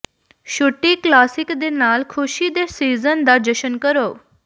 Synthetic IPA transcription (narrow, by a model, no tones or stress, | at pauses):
ʃʊʈːiklaːsɪkd̪enaːlkʰʊʃid̪eːsiːzənd̪aːd͡ʒəʃənkəɾoː